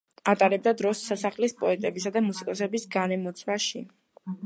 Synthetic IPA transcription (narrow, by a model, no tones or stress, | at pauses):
at̪ʼaɾɛb̚d̪ad̪ɾɔsːasaχlispʼɔɛt̪ʼɛbisad̪amusikʼɔsɛbisɡanɛmɔt̪sʰwaʃi